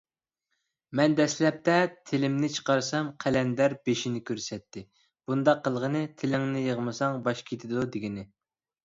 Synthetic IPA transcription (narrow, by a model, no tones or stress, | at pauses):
mɛnd̪ɛslɛp̚t̪ɛt̪ʰɪlɪmnɪt͡ʃʰə̥qɑɾsɑmqʰælɛnd̪æɾbeʃinɪkʲʰøɾsɛt̪ʰːɪ | b̥und̪ɑqʰːəlˠʁənɨt̪ʰɪlɪŋnɪjəʁmɨsɑŋbɑʃkʲʰet̪ʰɪd̪ud̪ɪɡʲinɪ